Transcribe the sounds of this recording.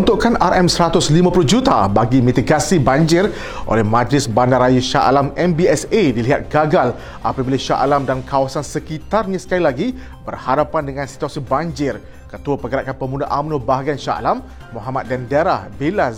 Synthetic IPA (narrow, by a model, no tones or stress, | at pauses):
unt̪uʔkanaɾʔɛmsəɾat̪ʊslimãpuluhd͡ʒut̪a̰baɡimĩt̪iɡasibaɲd͡ʒɪr | ʔo̰lɛhmãd͡ʒlɪsbandarajuʃa̰ʔa̰lamɛmbiɛsediliɦa̰t̪̚ɡaɡal | ʔa̰pabilaʃa̰ʔa̰lamdankawasansəkit̪arɲãsə̥kalilaɡi | b̥ərhadapandəŋãnsi̥t̪uasibaɲd͡ʒɪr | kət̪uapəɡəɾaʔkanpəmũndaʔamnũbaɦaɡianʃa̰ʔa̰lamː | oɦamat̪̚dɛndɛɾahbilas